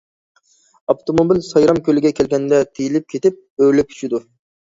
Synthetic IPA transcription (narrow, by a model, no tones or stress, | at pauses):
ɑpt̪ʰomobilsɑjɾɑmkʲʰølɪɡʲɛkʲɛlɡʲɛnd̪ɛt̪ʰejilɪp̚kʲʰet̪ɪp̚øɾlɛp̚kʰy̥t͡ʃʰid̪u